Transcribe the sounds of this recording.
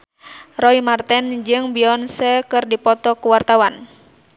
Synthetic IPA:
rɔimart̪ɛnd͡ʒɨŋbiɔnsɛkɨrdipɔt̪ɔkuwart̪awan

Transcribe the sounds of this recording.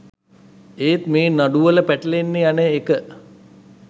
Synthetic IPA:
eːt̪meːnaɖuʋələpæʈəlenːejaneːkə

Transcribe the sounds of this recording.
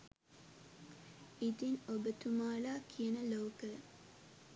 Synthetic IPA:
it̪inobət̪umaːlaːkʰiənəlowkə

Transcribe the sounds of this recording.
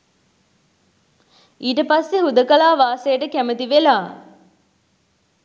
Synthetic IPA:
ʔiːʈəpasːeɦud̪əkɐlaːʋaːsejəʈəkæmət̪iʋelaː

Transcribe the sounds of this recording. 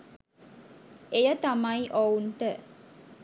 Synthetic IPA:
ejət̪ɐmɐiʔowɳʈə

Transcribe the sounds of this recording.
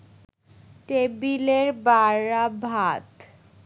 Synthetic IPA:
ʈebileɾbaɾabʱat̪

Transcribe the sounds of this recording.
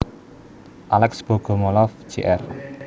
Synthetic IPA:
ʔalɛksb̥o̤ɡ̥o̤mɔlɔfd͡ʒeʔɛr

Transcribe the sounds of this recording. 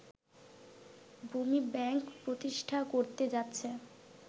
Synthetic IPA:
bʱumibɛŋkpɾot̪iʃʈʰakoɾt̪ed͡ʑatːɕʰe

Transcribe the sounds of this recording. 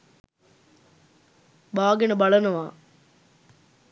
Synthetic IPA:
baːɡɐnɐbɐɭɐnɐʋaː

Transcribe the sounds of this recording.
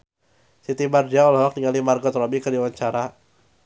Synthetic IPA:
sit̪imardiaɔlaɦɔk̚niŋalimarɡɔt̪rɔbikərdiwaɲt͡ʃaɾa

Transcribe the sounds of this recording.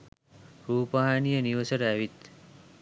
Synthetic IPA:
ɾupaɦanijəniʋəsəɾaʋit̪

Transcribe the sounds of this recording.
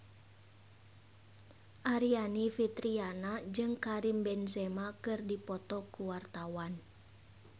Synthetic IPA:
ʔaɾianifit̪ɾianad͡ʒɨŋkaɾimbɛnsɛmakɨrdipɔt̪ɔkuwart̪awan

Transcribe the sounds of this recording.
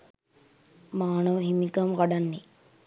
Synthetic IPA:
maːnəʋəɦimikəmkaɖanːe

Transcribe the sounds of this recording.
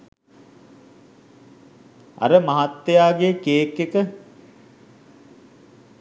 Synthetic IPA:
ɐ̰ɾəmaɦat̪ːejaːɡekeːkːekə

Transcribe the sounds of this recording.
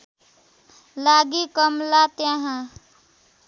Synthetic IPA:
laɡikʌmlat̪jãɦã

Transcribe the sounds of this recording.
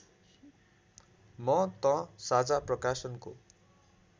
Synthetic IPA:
mʌt̪ʌ̃sad͡zaprʌkasʌnko

